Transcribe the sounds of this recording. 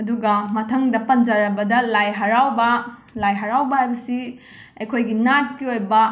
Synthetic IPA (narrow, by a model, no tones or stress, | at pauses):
ɐduɡɐmɐtʰɐŋdɐpɐnd͡ʒɐɾɐbɐdɐlajɦɐɾawbɐlajɦɐɾawbɐhajbɐsi | ɐjkʰojɡinat̚kiojbɐ